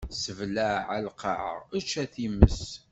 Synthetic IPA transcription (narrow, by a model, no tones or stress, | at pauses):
səvlæʕalqʰɑʕə̰ʁæt͡ʃːæθiməs